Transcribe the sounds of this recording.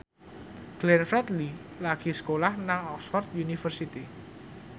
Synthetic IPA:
ɡ̥lɛnfɾɛt̪lilaɡ̥isə̥kolahnaŋɔksfɔrt̪̚junifərsit̪i

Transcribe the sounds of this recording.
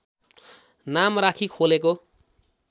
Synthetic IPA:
namrakʰikʰolek̬o

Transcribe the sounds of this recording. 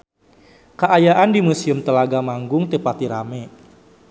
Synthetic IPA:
kəʔajaʔandimusiʊmt̪əlaɡamaŋɡʊŋt̪epat̪iɾa̰mɛ

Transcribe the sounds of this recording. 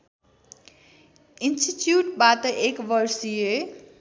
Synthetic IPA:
ɪnsʈiʈjuːʈbaːt̪əʔekʋəɾsie

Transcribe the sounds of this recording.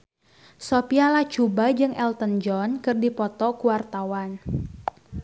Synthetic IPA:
sopialat͡ʃubad͡ʒɨŋʔɛlt̪ənd͡ʒɔnkɨrdipɔt̪ɔkuwart̪awan

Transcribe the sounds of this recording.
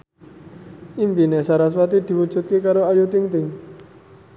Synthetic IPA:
impinɛsaɾas̬wat̪id̪̥i̤wud̥ʒ̥ṳt̪̚kekaɾoajut̪ɪŋt̪ɪŋ

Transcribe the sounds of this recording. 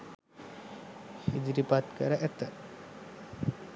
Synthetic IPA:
hid͡ʒɾipat̪kəɾəʔɛt̪ə

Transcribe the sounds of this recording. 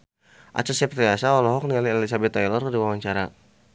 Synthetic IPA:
ʔa̰t͡ʃasɛp̚riasaɔlɔɦɔk̚nialiɛlis̬abɛt̪ːajlɔrdiwawaɲt͡ʃaɾa

